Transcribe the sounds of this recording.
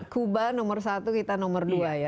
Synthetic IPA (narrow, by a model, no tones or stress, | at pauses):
kubanɔmərsat̪ukit̪anɔmərduaja